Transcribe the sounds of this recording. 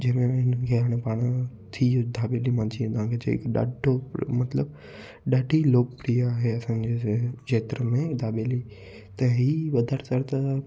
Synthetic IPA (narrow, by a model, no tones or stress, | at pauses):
d͡ʑẽːmẽɦɪnəkʰeaːɽ̃ẽpaːɽ̃ | t̪ʰiod̪ʱaːbeːlimãːnsʰĩnd̪ãkʰet͡ʃḛɪ̰kɗa̰ːɖomɐt̪ləb | ɗaːɖʱiloːk̚pɾiːaːɦeɐsãːd͡ʑeeːt̪ɾəmẽd̪ʱaːbeli | t̪ɐɦiʋɐd̪ʱəɾtɐɾt̪ɐ